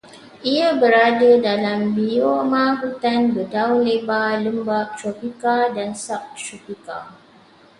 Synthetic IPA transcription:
ʔiabəɾadədalambiomãɦut̪anbədaunlebaləmbaʔt̪ropikadansak̚t̪ɾopika̰

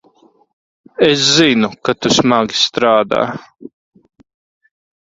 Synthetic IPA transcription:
es̬zinukat̪usmaɡi̥st̪ɾaːd̪a̰ː

